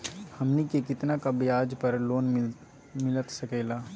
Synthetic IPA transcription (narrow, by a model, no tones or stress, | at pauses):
hɐmnikekɪt̪nakabɪjaːd͡ʒpɐɾloːn | mɪlət̪sɐkeːlaː